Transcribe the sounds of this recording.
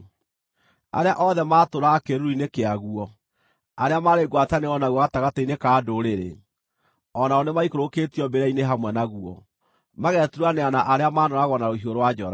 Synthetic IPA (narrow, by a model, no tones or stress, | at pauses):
a̰ɾeaʔɔðɛmaːtoɾakeɾuɾuinekeaɣuɔ | aɾeamaɾeɡwataneɔnaɣwɔɣataɣatainekaːdoɾeɾḛ | ɔnaɔnemaikoɾoketiɔbeɾaineɦamwɛnaɣuɔ | maɣɛtuɾuaneanaʔaɾeamaːnɔɾaɣwɔnaɾohioɾowad͡ʒɔɾa